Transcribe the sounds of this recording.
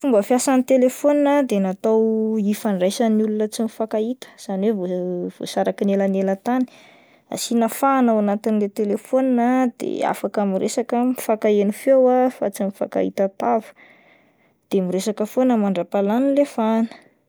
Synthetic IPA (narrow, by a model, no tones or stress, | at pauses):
fumbəfjasanit̪elefoninəd̪enat̪awifaɳɖ͡ʐajsaniulunət͡simifakait̪ə̥z̥anwevov̥o̰saɾakinelənelət̪ani̥ | a̰sinəfaːnawanat̪inlet̪elefoninəd̪̥ḛa̰fakamiɾesakəmifakaenifewafa̰t͡simifa̰ka̰ḭt̪at̪avə̥ | d̪̥emiɾesakəfonəmaɳɖ͡ʐapalanilefanə̥